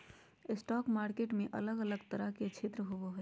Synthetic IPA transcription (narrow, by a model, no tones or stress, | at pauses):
ɪsʈɔkmaːɾkeʈmẽʔə̰ləɡələɡt̪əɾəɦket͡ʃʰet̪ɾəɦoboɦʊ